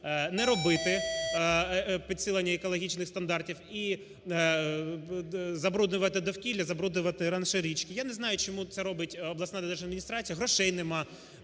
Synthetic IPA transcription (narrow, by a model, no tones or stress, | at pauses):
nɛɾɔbɪt̪ɪ | pʲid̪sɪlˠɐnʲːɐɛkɔlˠɔɦʲit͡ʃnɪxst̪ɐnd̪ɑrtʲiwi | zɐbɾud̪nʊʋɐt̪ɪd̪ɔwkʲilʲːɐzɐbɾud̪nʊʋɐt̪ɪɾɐnʃeɾʲit͡ʃkʲɪjanɛznɑjʊt͡ʃɔmut̪sɛɾɔbɪtʲɔblˠɐsnad̪ɐd̪eʒɐd̪mʲinʲist̪ɾɑt͡sʲijɐɦɾɔʃɛjnɪmɑ